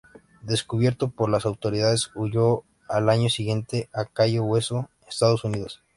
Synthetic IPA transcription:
d̪e̞skuβje̞ɾt̪opoɾlasawt̪o̞ɾiðaðesuʝo̞ | alaɲo̞siɣje̞nt̪e̞ʔakajowe̞so | est̪aðosuniðo̞s

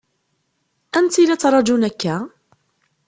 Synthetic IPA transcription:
ʔænt̪ilat͡s̪ɾˤɑd͡ʒunækːæ

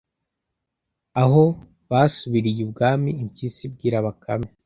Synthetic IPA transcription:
aɦo̞ | βaːsuβiɾijib̚ɡaːmiːɲcisib̚ɡiːɾaβakʰame

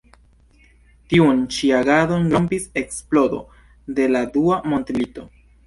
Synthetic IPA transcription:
tiunt͡ʃiaɡado̞nɡɾo̞mpise̞ksplo̞do̞̰ | de̞laduamo̞ntelito̞

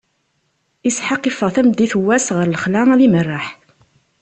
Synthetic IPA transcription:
isħɑqːifəʁθæmd̪iθwːæsʁəɾləχlææðimərˤːaħ

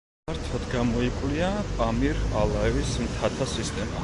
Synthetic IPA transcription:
aɾt̪ʰad̪ɡamɔikʼwliapʼamiɾalˠaɛvismt̪ʰat̪ʰasist̪ʼɛma

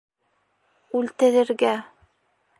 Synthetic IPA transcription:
ʉlt̪ɘ̆ɾɘ̆ɾɡæ

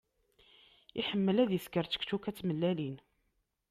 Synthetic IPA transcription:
iħəmːəlæðjəskəɾt͡sːə̥kt͡ʃukæt͡sːməlːælin

